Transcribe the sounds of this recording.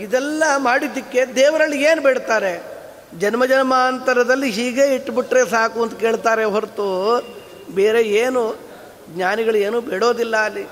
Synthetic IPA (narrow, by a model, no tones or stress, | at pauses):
id̪ɛlːɐmaːɽid̪ːikːe̞d̪eːʋɐɾɐlːieːnubeːɽt̪aːɾe̞ | d͡ʒɐnmɐd͡ʒɐnɐmaːnt̪ɐɾɐd̪ɐlːiɦiːɡeːiʈːbiʈɾesaːkuɐnd̪uke̞ːɭt̪aːɾeɦoɾt̪u | beːɾe̞eːnu | ɡɲaːniɡɐɭue̞ːnuːbeːɽo̞ːd̪ilːɐːlːi